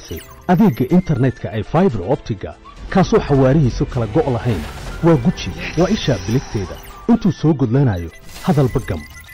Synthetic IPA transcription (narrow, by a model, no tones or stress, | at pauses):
sɛ̰j | ʔɐðɛːɡɐʔɪnt̪ʰɐrnɛd̪kʰɐʔɛjfajbɐrɔːbt̪ʰɪɡɐ̰ | kʰaːsɔːħɑwaːɾɪɦiːsɔkʰɐlɐɡɔʔlɐɦɛjnwɑːɡʊt͡ʃɪwɑːɪʃaːbɪlɪɡt̪ʰɛːðɐ̰ɪnt̪ʰuːsɔːɡɔðlanɐːjɔhɐðɐlbɐɡɐm